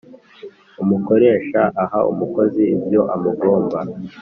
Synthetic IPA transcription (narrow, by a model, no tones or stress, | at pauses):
umuko̞ɾe̞ːʃaʔahaṵmuko̞ziibjo̞ʔamuɡoːmba